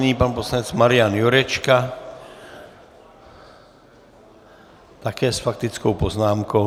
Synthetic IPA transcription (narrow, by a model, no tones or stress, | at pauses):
niːpaːnpɔslaɲɛd͡zmaɾɪanjɔɾɛt͡ʃka | t̪akɛːsfak̚t̪it͡skɔʊpɔznaːmkɔʊ